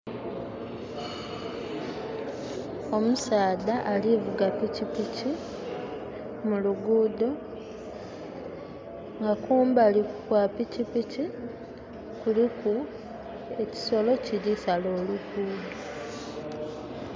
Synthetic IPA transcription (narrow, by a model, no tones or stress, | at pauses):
o̞musaːd̪aʔːlivuɡapicipici | muluɡuːd̪o̞ | ŋɡakuːmbalikukwapicipici | kuliku | e̞ci̥so̞lo̞cilisalo̞ːlukuːdo